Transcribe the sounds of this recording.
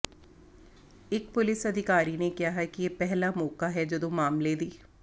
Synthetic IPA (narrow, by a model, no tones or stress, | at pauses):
ɪkpʊlɪsəd̪ʱɪkaːɾiːnekɪjaːɦɛkijeːpɛɦlaːmɔːkaɦɛd͡ʒəd̪õːmaːmled̪iː